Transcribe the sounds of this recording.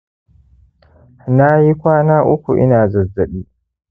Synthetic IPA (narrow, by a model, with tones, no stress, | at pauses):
na˦ji˦kʷaː˦naː˦ʔʊ˦kʷṵ˨ʔɪ̰˦naː˨zɐ˨zːɐ˨ɓiː˦